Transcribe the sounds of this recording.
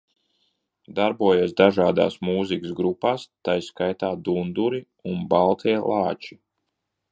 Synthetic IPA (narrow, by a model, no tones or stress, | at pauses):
d̪aɾbuɔjiɛsd̪aʒaːd̪a̰ːsmuːzikəsɡɾupaːst̪ajskajt̪aːd̪und̪uɾi | unbalˠt̪ʰiɛlˠɑːt͡ʃi